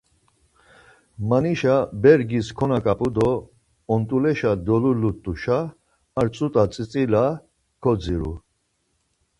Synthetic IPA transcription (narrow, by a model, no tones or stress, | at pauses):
maniʃabɛɾɡiskʰɔnakʼapʼud̪ɔː | nt̪ʼulɛʃad̪ɔlulut̪ʼuʃaː | ɾt͡sʼut̪ʼat͡sʼit͡sʼila | kʰɔd͡ziɾṵ